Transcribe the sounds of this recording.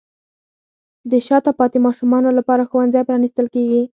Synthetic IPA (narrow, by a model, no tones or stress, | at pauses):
d̪əʃɑt̪apɑt̪imɑʃumɑnolapɑɾaxowanzajpɾɑnist̪əlkeɡi